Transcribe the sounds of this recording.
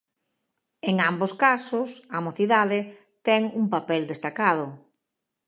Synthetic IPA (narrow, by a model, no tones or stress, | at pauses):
eŋamboskasʊsamoθiðaðɪ | t̪ɛŋuŋpapɛld̪est̪akað̞ʊ